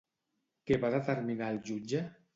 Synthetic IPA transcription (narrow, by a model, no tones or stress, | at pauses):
keβaðət̪əɾminaəlˠʒud͡ʒə